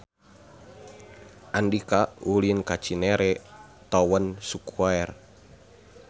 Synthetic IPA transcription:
ʔandikaulinkat͡ʃinɛɾɛ | t̪ɔwənsukaɛr

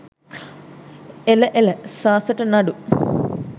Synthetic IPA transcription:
eləʔeləsaːsəʈənɐɖu

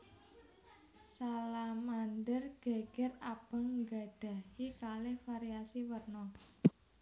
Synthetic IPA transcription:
salamandərɡ̥a̤ɡ̥ɛrab̥a̤ŋŋɡa̤ɖ̥a̤hikalɪhfaɾiasiwərnɔ

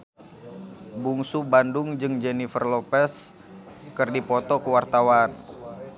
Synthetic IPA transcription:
buŋsubandʊŋd͡ʒɨŋd͡ʒɛnifərlopɛs | kɨrdipɔt̪ɔkəwart̪awan

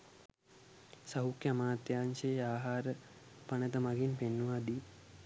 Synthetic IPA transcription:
sɐɦukjamaːt̪jaːnʃeaːɦaːɾə | pɐnɐt̪ɐmɐɡinpenːuʋaːd̪i

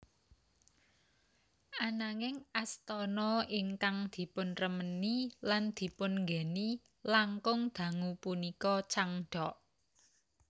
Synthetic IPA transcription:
ʔanaŋɪŋast̪ɔnɔɪŋkaŋd̪̥i̤pʊnrəməniland̪̥i̤pʊnŋɡeni | laŋkʊŋd̪̥ä̤ŋupunikɔt͡ʃaŋɖ̥ɔʔ

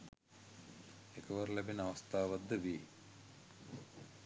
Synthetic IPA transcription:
ekʰəʋɐɾlæbinɐʋɐst̪ʰaːʋɐd̪ːəʋiː

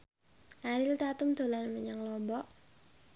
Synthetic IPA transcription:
ʔaɾɪlt̪at̪ʊmd̪̥o̤lanməɲaŋlɔmbɔʔ

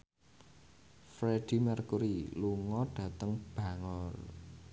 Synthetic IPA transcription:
fɾeɖ̥i̤mərkuɾiluŋɔɖ̥ä̤t̪əŋb̥ä̤ŋɔr

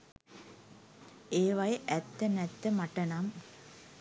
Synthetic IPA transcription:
eːʋɐjəʔæt̪ːənɛt̪ːəmaʈənam

